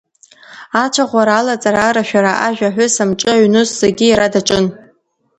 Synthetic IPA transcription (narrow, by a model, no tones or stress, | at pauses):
at͡ʃʷʰaʁʷaɾalat͡sʼaɾaraʃᶣaɾaʔaʒᶣʷaħʷʊsamʈ͡ʂʼɨaɥnɨsːeɡʲiiɾadaʈ͡ʂʼɨn